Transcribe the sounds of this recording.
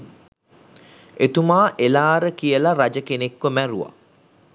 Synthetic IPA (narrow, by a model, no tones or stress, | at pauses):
et̪umaːʔelaːɾəkijəlaɾad͡ʒəkenekʋəmæɾuʋa̰